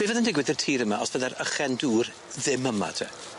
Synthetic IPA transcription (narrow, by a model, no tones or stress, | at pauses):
b̥ɪːvəðəndɪɡwɪðərtʰiːɾəmaɔsvəðɛɾəχɛnduːr | ðɪməma̰tʰɛ